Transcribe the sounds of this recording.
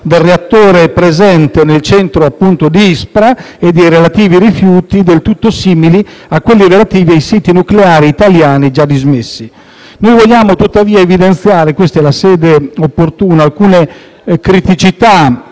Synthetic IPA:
d̪elreat̪ːoːɾepɾezɛnt̪enelt͡ʃɛnt̪ɾoapːunt̪od̪iispɾa | ed̪ɛjɾelat̪iːviɾifjuːt̪id̪elt̪ut̪ːosiːmiliakːwelːiɾelat̪iːviajsiːt̪inukleaːɾiːt̪aljaːnid͡ʒad̪izmesːi | nojvoʎːaːmot̪ut̪ːaviːaevid̪ent̪sjaːɾekwest̪ɛlasɛːd̪eopːort̪uːnaːlkuːne | kɾit̪it͡ʃit̪a

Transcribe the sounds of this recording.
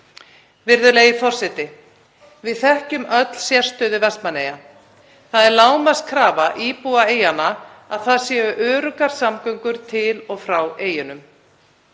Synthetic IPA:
vɪɾðʏlejɪfɔr̥sɛt̪ɪ | vɪðθɛhcʏmœt̪l̥sjɛr̥st̪œːðʏvɛst̪maneːja | θaðɛɾlaːwmaskʰɾaːvaʔiːpuaeːjanaaðθaðsjɛːvʏʔœːɾʏkaɾ̥samkœɥŋkʏɾ̥t̪ʰɪlɔɣfɾaweːjʏnʏm

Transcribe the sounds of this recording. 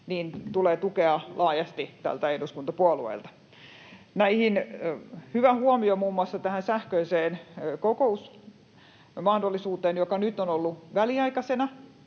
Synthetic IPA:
niːnt̪uleːt̪ukeɑlʔɑːjɑst̪it̪æ̰lt̪æehduskunt̪ɑpuɑluḛilt̪ɑ̥ | næihin | hyʋæhuomiomuːmuɑsːɑt̪æhænsæhkøiseːnkokous | mɑhdolːisuːt̪eːnjokɑnyt̪onolːuʋæliɑikɑsenɑ

